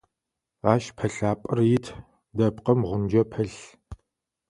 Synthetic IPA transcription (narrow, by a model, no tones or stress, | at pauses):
aːʃpʰɐɬaːpʼɨrjɪtʰ | dɐpqɐmʁʷʊnd͡ʒɐpʰɐɬ